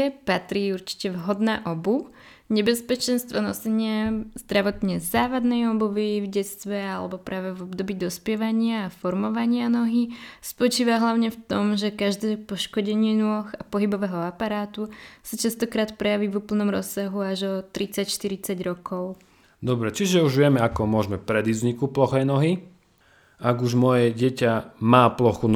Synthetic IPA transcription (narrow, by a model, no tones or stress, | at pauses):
ɛpat̪ɾiːuɾt͡ʃi̥cɛʋɦɔd̪naʔɔbu | ɲɛbɛspɛt͡ʃɛnst̪ʋɔnɔ̰sɛɲɪazd̪ɾaʋɔt̪ɲɛzaːʋad̪nɛjɔbuʋivɟɛt͡st̪ʋɛalɛbɔpɾʔaːʋɛvɔb̚d̪ɔbiːd̪ɔspjɛʋaɲɪaːfɔɾmɔʋaɲɪanɔɦispɔt͡ʃiːʋaɦlaʊɲɛft̪ɔmʒɛkaʒd̪ɛːpɔʃkɔɟɛɲɪɛnʊɔxapɔɦibɔʋɛːɦɔapaɾaːt̪usat͡ʃast̪ɔkɾaːt̪pɾɛjaʋivupl̩nɔmɾɔ̰sːaɦuaʒɔt̪ɾit͡sacʃt̪iɾit͡saɟɾɔkɔʊ | d̪ɔbɾɛt͡ʃiʒɛuʒʋɪɛmɛakɔmʊɔʒmɛpɾɛd̪izɲikuplɔxɛjnɔɦi | aɡuʒmɔjɛɟɛcamaːplɔxun